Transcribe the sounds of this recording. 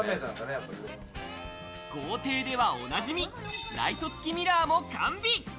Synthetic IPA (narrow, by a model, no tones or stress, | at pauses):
met̪ãd̪anejapːaɾi | ɡ̥o̞ːt̪e̞ːd̪e̞βao̞̰naʑimʲiɾa̰it̪o̞t͡sɨ̥kʲimʲiɾaːmo̞kʰãmbʲi